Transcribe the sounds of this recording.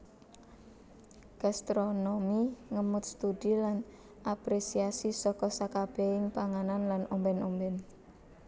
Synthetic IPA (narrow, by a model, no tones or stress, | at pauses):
ɡ̥ast̪ɾonomiŋəmʊt̪̚st̪udilan | ʔapɾesiasisɔkɔsakab̥ɛhɪŋpaŋananlanɔmbɛnɔmbɛn